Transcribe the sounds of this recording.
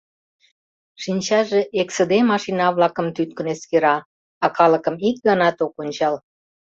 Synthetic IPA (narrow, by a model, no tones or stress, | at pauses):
ʃinʲt͡ɕɑʒeʔeksəd̪emɑʃinɑβlɑkəmt̪yt̪̚kə̆neskeɾɑː | ɑkɑləkəmik̚ɡɑnɑt̪okonʲt͡ɕɑl